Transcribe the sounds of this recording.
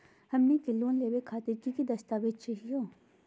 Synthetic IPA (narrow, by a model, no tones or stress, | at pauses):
hɐmːĩkɪlːõːnleːʋekʰaːt̪ɪɾkikid̪ɐst̪aːʋed̪̚t͡ʃɐɦijõː